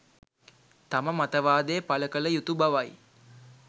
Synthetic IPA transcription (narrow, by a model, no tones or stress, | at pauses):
t̪aməmat̪əʋaːd̪ejəpaləkələjut̪ubaʋaj